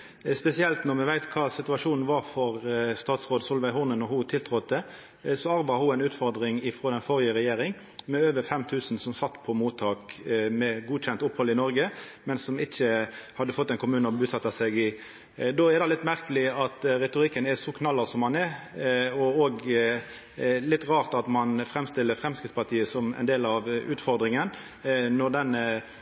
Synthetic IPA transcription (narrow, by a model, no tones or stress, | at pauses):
spɛsɪɛlt̪nɔɾmɛʋæɪt̪kʰɑːsɪt̪ʉɑʂuːnn̩ʋɑːɾfɔɾst̪ɑːt̪sʁoːd̪sʊlʋæɪhʊʁnənɔhʊt̪ʰɪlt̪ʰɾʁɔt̪̚d̪ɛ | sɔɑɾbɑhʊæɪnʉːt̪fɔɾd̪ɾɪŋɪfɾoːd̪ɛnfɔɾɪəɾɛjeːɾɪŋ | mɛøːʋəɾfɛmt̪ʰʉːsn̩sɔmsɑt̪ːpʰɔmuːt̪ʰɑːkmɛɡuːd̪çɛnt̪ʊpːhɔlɪnɔɾɡəmɛnsɔmɪçːəhɑd̪ːəfɔt̪ːɛɪnkʰʊmʉːnəɔbʉsɑt̪ːɑsɛɡɪ | d̪oːɛɾd̪ɑlɪt̪ːmæʁkəlɪɑt̪ɾɛt̪ʊɾɪkːənɛʂɔkʰnɑlːɑsɔmhɑnɛɾɔoːɡ | lɪt̪ːʁɑːʁt̪ɑt̪mɑnfɾɛmst̪ɪlːəɾfɾɛmskɪt̪spʰɑʁt̪ʰiːəsɔmɛ̰ɪnd̪eːlɑʋʉːt̪fɔɾd̪ɾɪŋən | nɔʁd̪ɛnə